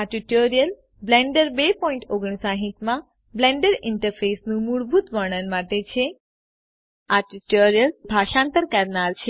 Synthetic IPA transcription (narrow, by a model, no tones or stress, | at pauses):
aʈuʈoɾijəl | blɛ̃ɳɖəɾbepɔĩɳʈoɡɳ̃ĩsaɦĩt̪mã | blẽɳɖəɾɪɳʈəɾfesnũmuɭbʱut̪ʋəɽ̃ənmaʈet͡ʃʰe | aʈiʈoɾijəlbʱaʃãnt̪əɾkəɾnaɾt͡ʃʰe